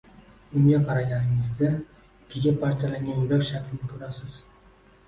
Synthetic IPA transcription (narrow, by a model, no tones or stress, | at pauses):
ʊŋɡʲaqʰɑɾaɡʲanɪŋɪzd̪a | kʲʰeɡʲapʰaɾt͡ʃʰalaŋɡʲanjʊlakʲʃakʲʰlɪnɪkʲʰɵɾasɪz̥